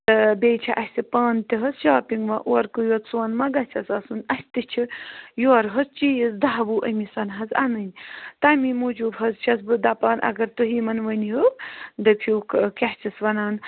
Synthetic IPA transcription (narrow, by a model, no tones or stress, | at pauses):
ɨbʲeːt͡ʃʰiʔɐsʲsipaːnt̪iɦɐzʃaːpʲiŋɡʋɐʔoɐɾkɨjoːt̪soːnmɐɡɐt͡ʃʲʰɐsɐsunɐsʲt̪it͡ʃʰijoːɾɦɐzt͡ʃiːjəzd̪aːbuːʔɐmisɐnɦɐzanɨnʲt̪amimud͡ʒubɦɐzt͡ʃʰɐsbɨd̪ɐpaːnɐ̰ɡɐɾt̪uɦiːmɐnʋəniɦud̪ɨpʰʲjoːkʰkʲaht͡ʃisʋɐnaːn